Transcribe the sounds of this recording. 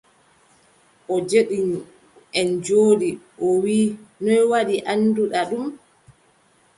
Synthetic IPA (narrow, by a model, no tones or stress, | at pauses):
ʔɔd͡ʒeɗiɲ | ɛnd͡ʒoːɗiʔɔwiːnɔjwaɗiʔanːduɗaɗum